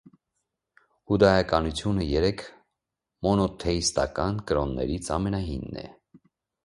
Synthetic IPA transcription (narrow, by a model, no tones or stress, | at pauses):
ud̪ɑjɑkɑnut͡sʰjunəjɛɾɛkʰ | mɔnɔt̪ʰɛist̪ɑ̰kɑnkəɾɔnːɛ̰ɾit͡sʰɑmɛnɑɦinːɛ̰